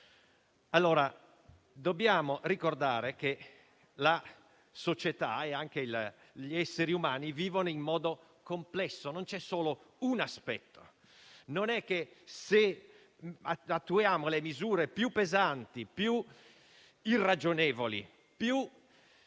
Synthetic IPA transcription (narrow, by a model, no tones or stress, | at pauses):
alːoːɾa | d̪objaːmorikord̪aːɾeke | la | sot͡ʃɛt̪a̰ɛaŋk̟el | ʎiɛsːeɾiumaːniviːvonoimːɔːd̪o | komplɛsːonont͡ʃɛsːoːlounaspɛt̪ːo̥ | nonɛkːese | at̪ːujaːmolemizuːɾepjupːezant̪ipju | irːad͡ʒonɛːvolḭ | pju